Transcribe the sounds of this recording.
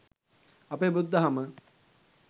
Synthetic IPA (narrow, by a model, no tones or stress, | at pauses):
ɐpeːbud̪ːɐɦɐmə